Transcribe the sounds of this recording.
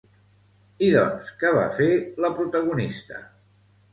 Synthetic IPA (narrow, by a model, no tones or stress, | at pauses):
iðɔ̰nskəβa̰feləpɾut̪əɣ̞unist̪ə̰